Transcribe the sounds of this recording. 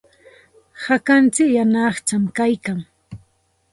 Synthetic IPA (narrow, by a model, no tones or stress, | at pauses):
hakant͡sɪkjanɑχt͡ʃamkajkaŋ